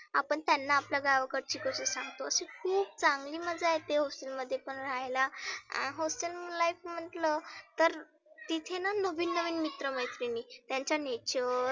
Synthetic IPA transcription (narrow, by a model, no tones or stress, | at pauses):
apəɳt̪janːaːpljaɡaʋkəɾt͡ɕiːkəsesãŋɡt̪oəsekʰuːb̚t͡saŋɡliːməd͡zajt̪eɦɔsʈəlməd̪ʱːjepəɳɾajla̰ɦɔsʈəllajfm̤əɳʈlət̪əɾ | t̪it̪ʰenanəʋiːnːəʋiːnmit̪ɾəməjt̪ɾiniːt̪jaɲt͡ɕjanet͡ɕəɾ